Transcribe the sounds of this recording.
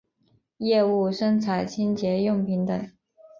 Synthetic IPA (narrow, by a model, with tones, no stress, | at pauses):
jɛ˥˧u˥˩ʂɤ˥ŋt͡sʰa˨˩ɪt͡ɕʰi˥nt͡ɕjɛ˧˥jʊ˥˩ŋpʰi˧˥ŋt̪ə˨˩˦